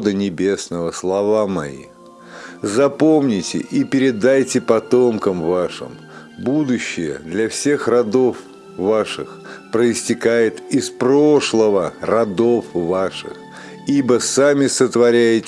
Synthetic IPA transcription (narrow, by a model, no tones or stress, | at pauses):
d̪ɨnʲɪbʲe̞snəvəslˠɐvamɐ̰ḭ | zɐpomnʲɪtʲɪ̰ʔipʲɪɾʲɪd̪ajtʲɪpɐt̪omkəmvaʂɨ̰m | bud̪ʊɕːɪjə̰d̪lʲɐfsʲe̞xrɐd̪o̞f | vaʂɨx | pɾəɪsʲtʲɪkajɪt̪ɪspɾoʂlˠəvərɐd̪o̞fvaʂɨ̰x | ibəsamʲɪsət̪vɐɾʲæjɪtʲ